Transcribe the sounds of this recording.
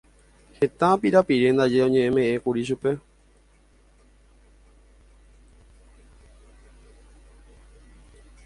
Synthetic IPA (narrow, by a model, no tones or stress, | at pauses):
he̞t̪ãpiɾapiɾe̞nd̪ad͡ʒe̞õ̞ɲẽ̞ʔẽmẽ̞ʔẽkuɾiʃ̬upe̞